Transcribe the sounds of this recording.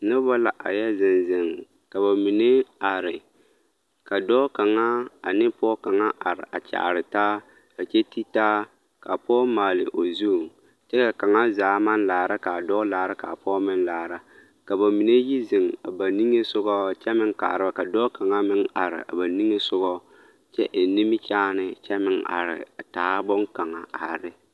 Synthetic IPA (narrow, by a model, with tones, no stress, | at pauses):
nɨ˦bɔ˦la˨ʔa̰˨jɛ˦zɪ˨nzɪ˨ŋ | ka˨ba˨mi˨ne˦a˨ɾɪ˨ | ka˨dɔː˦ka˨ŋa˦a˨nɪ˦pɔː˦ka˨ŋa˦ʔa˨ɾɪ̰˨ʔa˨t͡ʃa̰˨ʔa̰˨ɾɪ˨taː˦ | ba˨t͡ʃɛ˦ti˦taː˦ | ka˨pɔ˦maː˨lɪ̰˨ʔo˨zu˦˨ | t͡ʃɛ˦ka˨ka˨ŋa˦zaː˨˦ma˦n˦laː˨ɾa˦ka˨dɔː˦laː˨ɾa˦ka˨pɔː˦mɪ˦nlaː˨ɾa˦ | ka˨ba˨mi˨ne˦ji˦zɪ˨ŋa˨ba˨ni˦ŋe˦sʊ˦ɡɔ˦t͡ʃɛ˦mɪ˦ŋka̰˨ɾɨ˦ba˦ka˨dɔː˦ka˨ŋa˦mɪ˦ŋa˨ɾɪ̰˨ʔa̰˨ba˨ni˦ŋe˦sʊ˦ɡɔ˦ | t͡ʃɛ˦ʔɪ˨ni˦mɪ˦t͡ʃaː˦nɪ˨t͡ʃɛ˦mɪ˨ŋa̰˨ɾɪ̰˨a˨taː˦bɔ˦ŋka˨ŋa˨a˨ɾɪ˦